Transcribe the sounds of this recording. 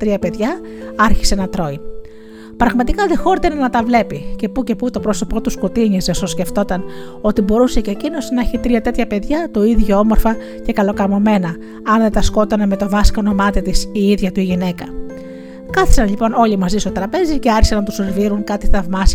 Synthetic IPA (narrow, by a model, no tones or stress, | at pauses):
t̪ɾiɐpe̞ðʝɐ | ɐɾçi̥se̞nɐt̪ɾo̞in | pɾɐɣmɐt̪ikɐðexo̞ɾit̪e̞nɐnɐt̪ɐvle̞pice̞puce̞put̪o̞pɾo̞so̞po̞t̪uskut̪iɲisesosce̞ft̪o̞t̪ɐno̞t̪ibo̞ɾuse̞cecino̞sneçit̪ɾiɐt̪e̞t̪çɐpe̞ðʝɐt̪o̞iðʝoomo̞ɾfɐ | ce̞kɐlo̞kɐmo̞me̞nɐ | ɐnðet̪ɐsko̞t̪ɐnme̞t̪o̞vɐskɐono̞mɐt̪it̪isiiðʝɐt̪uiʝine̞kɐ | kɐθi̥sɐnʎipo̞no̞ʎimɐzist̪ot̪ɾɐpe̞zice̞ɐɾçi̥sɐnɐt̪usoɾviɾuŋkɐt̪iθɐvmɐs